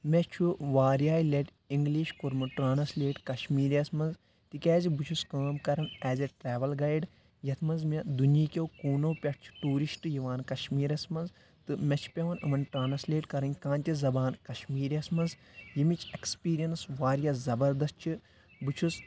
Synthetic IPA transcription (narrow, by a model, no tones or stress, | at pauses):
mʲet͡ʃʰuʋaːɾjaːjlʲeʈ | iŋɡliːʃkuɾmɨʈɾaːnɐsleːʈkɐʃmiːɾɐsmɐnz | t̪ikʲɛːzibut͡ʃʰuskaːmkɐɾɐnɛːzʲeʈɾɛːʋɐlɡɐjɖ | jɐt̪ʰmɐnzmɐd̪uniːkʲewkuːnoːpʲɐʈ̚ʰt͡ʃʰi̥ʈuːɾiʃʈɨjiʋaːnkɐʃmiːɾɐsmɐnz | t̪ɨmʲɐt͡ʃʰu̥pʲɐʋɐnɨmɐnʈɾaːnɐsleːʈkɐɾɐnʲkãːnt̪ʲizɐbaːnkɐʃmiːɾɐsmɐnz | jimit͡ʃʰekspiːɾijɐnsʋaːɾjɐzɐbɐɾd̪ɐs̚t͡ʃʰi | bɨt͡ʃʰus